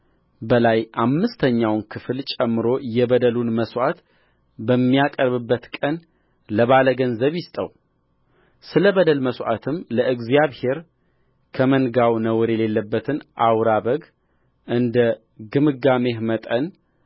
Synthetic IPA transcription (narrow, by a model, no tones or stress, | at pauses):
bəlajʔamːɨst̪ʰəɲːawnkʰɨfɨlt͡ʃʼɛmːɨɾo̞jɛbəd̪əlunməswʷʔat̪ | bəmːijakʼəɾβɨbːət̪kʼən | ləβaləɡənzəβjɪst̪ʼə̰w | sɨləβəd̪əlməsʔa̰t̪ʰɨmləʔɨɡzjaβhe̞ɾ | kʰəmənɡawnəwɨɾjɛle̞lːəbːət̪ʰɨnʔawɾaβəɡ | ʔɨnd̪ə | ɡɨmɨɡame̞hmət̪ʼən